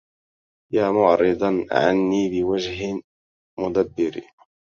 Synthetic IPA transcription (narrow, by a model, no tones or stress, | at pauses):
jaːmʊʕɾɨd̪ˤɑʕa̰nːiːbɪwad͡ʒɦɪ | mʊd̪abːɪɾ